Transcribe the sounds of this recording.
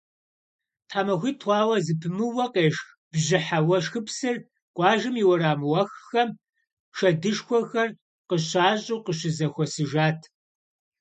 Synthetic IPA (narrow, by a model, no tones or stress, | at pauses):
tʰħaːmɐxʷiːtʰwʷɑːwɐzɨpʰɨmɨwɐqeːʂx | b̥ʑɪħawɐʂxɨpsɨr | qʷʼɑːʒɨmiwɐɾaːmɨwɐxxɐm | ʃɐdɨʂxʷɔxɐr | qəɕaːɕʼuqəɕɪzɐxʷɔsɨʒaːtʰ